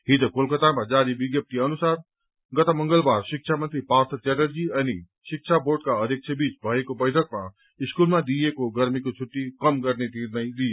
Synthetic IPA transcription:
ɦid͡zokolkʌt̪amad͡zaɾibiɡjʌp̚t̪iʌnusar | ɡʌt̪ʌmʌŋɡʌlbarsik̚t͡ʃʰamʌnt̪ɾipart̪ʰʌt̪jaʈʌrd͡ziʌni | sik̚t͡ʃʰaborʈkaʌd̪ʱjek̚t͡sʰʌbit͡sbʱʌekobʌjʈʰʌk̚ma | iskulmad̪ijekoɡʌɾmikot͡sʰuʈːikʌmɡʌrnet̪ʰinʌjlije

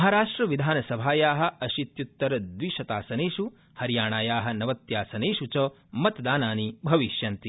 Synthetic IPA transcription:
ɐɦaːɾaːʂʈɾɐʋid̪ʱaːnɐsɐbʱaːjaːɦɐ̆ʔɐʃit̪jut̪ːɐɾɐd̪ʋiʃɐt̪aːsɐneːʃu | hɐɾjaːɳaːjaːɦɐ̆nɐʋɐt̪jaːsɐneːʃut͡ʃɐ | mɐt̪d̪aːnaːnibʱɐʋiʃjɐnt̪i

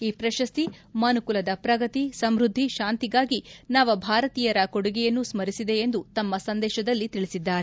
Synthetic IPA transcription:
iːpɾɐʃɐst̪imɐnukulɐd̪ɐpɾɐɡɐt̪isɐmɾud̪ʱːiʃaːnt̪iɡaːɡinaːʋɐbʱaːɾɐt̪iːjɐɾɐkoɽuɡɛjɐnːusmɐɾisid̪e̞end̪ut̪ɐmːɐsɐnd̪ɛːʃɐd̪ɐlːit̪iɭisid̪ːaːɾe

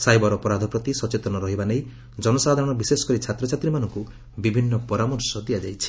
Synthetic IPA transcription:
sajbɔɾɔpɔɾad̪ʱɔpɾɔt̪isɔt͡ʃet̪ɔnɔɾɔɦibanej | d͡ʒɔnɔsad̪ʱaɾɔɽ̃ɔbisesɔ̥kɔɾit͡ʃʰat̪ɾɔt͡ʃʰat̪ɾimanɔŋku | bibʱinːɔpɔɾamɔɾsɔd̪ijad͡ʒajt͡ʃʰi̥

